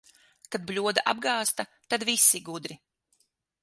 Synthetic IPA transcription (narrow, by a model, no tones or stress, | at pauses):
kad̪̚blʲuɔd̪aʔa̰b̚ɡaːst̪at̪ad̪visiɡud̪ɾi